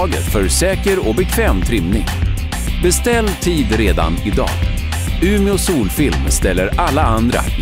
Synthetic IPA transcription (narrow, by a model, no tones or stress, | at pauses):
ɡə̰t̪fœɾsɛːkəɾɔbɛkʰvɛːmt̪ʰɾɪmnɪ̰ŋ | bɛst̪ɛlːt̪ʰiːd̪ɾeːd̪a̰nɪd̪ɑ̰ːɡ | ʉ̟ːmɪɔsuːlfɪlmst̪ɛlːəɾalːaand̪ɾa̰